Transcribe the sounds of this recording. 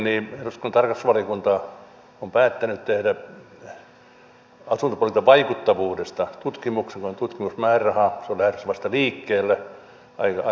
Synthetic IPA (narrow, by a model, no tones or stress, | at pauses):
niːeruskont̪ɑrkɑsʋɑlikunt̪ɑ | ompæːt̪ːænyt̪t̪ehdæ | ɑsunt̪ɑpolit̪ɑʋɑikut̪ːɑʋuːdest̪ɑt̪ut̪kimukseŋkoont̪ut̪kimusmæːrɑhɑseolæhet̪ysʋɑst̪ɑliːkːeːlːæ | ɑ̰ikɑ